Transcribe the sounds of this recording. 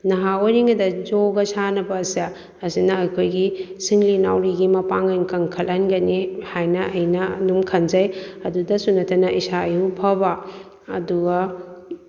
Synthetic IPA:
nɐɦawaɾiŋɐdɐzoɡɐsanɐbɐːsiaː | sinɐɐjkʰojɡisiŋlina̰wɾiɡimɐpaŋɐjnkɐŋkʰɐlɐnɡɐnihajnɐɐjnɐdumkʰɐnd͡ʒɐjɐdudɐsunɐtʰɐnɐʔisaɐjupʰɐba̰ː | duɡɐ

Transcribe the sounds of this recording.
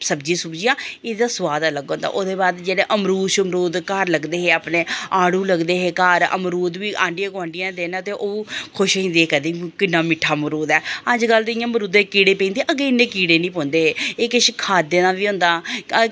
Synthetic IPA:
səbd͡ʒiːsʊbd͡ʒijãːeːd̪aːsʊʋaːd̪aləɡõːnd̪a̰ːʔoːd̪eːbaːd̪d͡ʒeːɽeːʔəmɾuːʃəmɾuːd̪kəɾləɡd̪eːɦeːaːpnẽːaːɽũːləɡd̪eːɦeːkəɾə̰mɾuːd̪ʋiːʔãːɳɖɪjãːɡʊʋãːɳɖɪjãːd̪eːnãːt̪eːʔoːkʰʊʃĩːnd̪eːkəd̪eːkɪnːaːmɪʈʰːaːməɾuːd̪ɛːəd͡ʒkəld̪ɪjãːmɾuːd̪ẽːkiːɽeːpẽːnd̪eːʔəɡeːɪnːẽːkiːɽeːnĩːp̬õːnd̪eːɦeːeːkɪʃkʰaːd̪ːeːnãːʋiːɦʊ̃ːnd̪aː

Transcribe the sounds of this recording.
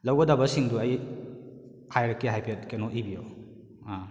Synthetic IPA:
lawɡɐdabɐsiŋduɐj | hajɾakiɦajpʰet̚kenɔʔibio | a

